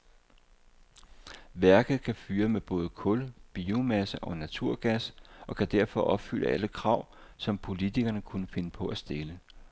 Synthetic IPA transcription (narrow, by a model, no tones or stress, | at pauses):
ʋæɐɡ̥ð̩ˠkʰæfyːɐmeb̥ɔ̽ːð̞ˠəkʰɔ̽lb̥iːumæsəʔɒ̽næt͡sʰuɐ̰ɡ̥æsʔɒ̽kʰæd̥æɐfɒ̽ʔɒ̽b̥fyl̰ʔə̰ʔæləkʰʁɑ̈ʊ̰sɒ̽mpʰo̝lit͡sʰiɡ̥ɐnəkʰunəfe̝nəpʰɒ̽ʔæsd̥e̝lə